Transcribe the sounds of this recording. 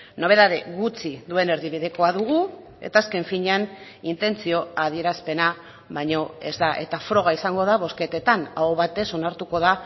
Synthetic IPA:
no̞β̞e̞ðað̞e̞ɣut͡siðue̞ne̞ɾðiβ̞iðe̞ko̞aðuɣ̞u | e̞̰t̪aːske̞ɱfiɲean | int̪e̞nt͡sio̞aðie̞ɾaspe̞na | βajɲo̞e̞zd̪aʔe̞̰t̪afɾo̞ɣ̞aisaŋɡo̞ð̞aβo̞ske̞t̪e̞t̪anaoβat̪e̞so̞naɾt̪uko̞ð̞a

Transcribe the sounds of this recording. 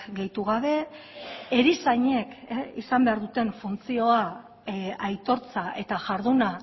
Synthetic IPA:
ɡe̞jt̪uɣaβ̞e̞ː | ɾisaɲe̞keisambe̞aɾðut̪e̞ɱfunt͡sio̞a | ajt̪o̞ɾt͡saʔe̞t̪aʝaɾðuna

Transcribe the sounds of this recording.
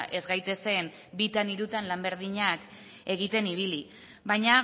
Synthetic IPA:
ʔe̞zɣajt̪e̞se̞n | bit̪aniɾut̪anlambe̞ɾð̞iɲak | e̞ɣ̞it̪e̞niβ̞ili | βajɲa

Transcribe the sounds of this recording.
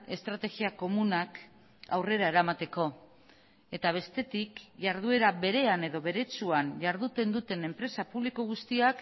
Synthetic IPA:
e̞st̪ɾat̪e̞ɣiako̞munak | a̰wre̞ɾae̞ɾamat̪e̞ko̞ | e̞t̪aβ̞e̞st̪e̞t̪ikʝaɾðue̞ɾaβe̞ɾe̞ane̞ðo̞βe̞ɾe̞t͡suanʝaɾðut̪e̞nd̪ut̪e̞ne̞mpɾe̞sapuβlikoɣ̞ust̪iak

